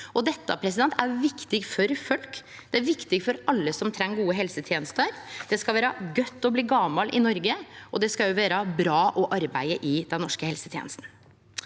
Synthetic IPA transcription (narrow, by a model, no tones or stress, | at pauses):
ɔd̪ɛt̪ːə̰pʰɾɛs̬ɪd̪ɛnt̪ʰæɾʋɪkt̪ɪɡfɔɾfœlk | d̪̥ɛæɾʋɪkt̪ɪɡfɔɾɑlːəsɔmt̪ʰɾɛŋːɡuːəɦɛlsət̪ʰjeːnəst̪əɾd̪̥ɛskɑʋæːɾəɡœt̪ːɔbliːɡɑmɑlʔɪ̰nɔɾɡəʔɔd̪ɛskɑjʊʋæːɾəbɾɑːʔɔʔɑɾbæɪəʔɪd̪ɛnːɔʂkəhɛlsət̪ʰjḛnəst̪n̩